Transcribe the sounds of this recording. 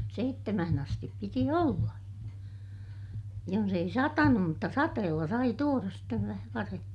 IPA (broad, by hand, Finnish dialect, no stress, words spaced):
seitːemæhæn ɑstip piti olːɑ jons ei sɑtɑnum mutːɑ sɑteːlːɑ sɑi tuorɑs steʋ ʋæhæ ʋɑremːin̞